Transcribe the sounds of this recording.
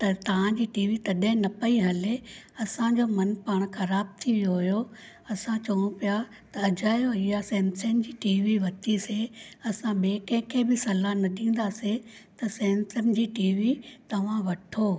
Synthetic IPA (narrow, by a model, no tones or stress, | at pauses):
t̪ɐt̪ɐʋ̤ãd͡ʑiːʈiːʋit̪ɐɗəɪ̃nɐpɐiɦɐle | ɐsãd͡ʑomɐnpaːɽ̃xɐɾaːb̚t̪ʰiʋijoɦʊjo | ɐsãt͡ɕɐʋʊñũpija | t̪ɐːd͡ʑaːjoɪjasẽːnsend͡ʑiːʈiːʋiʋɐtiseɐsãɓeːkɛ̃kʰeːbɪsɐlanɐɗĩːn̆d̪aset̪ɐsẽːnsənd͡ʑiːʈiːʋit̪ɐʋ̤ãʋɐʈʰoː